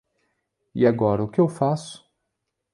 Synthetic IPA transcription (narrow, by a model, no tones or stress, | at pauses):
ḭaɡɔɾɐʊkɪewfasʊ̥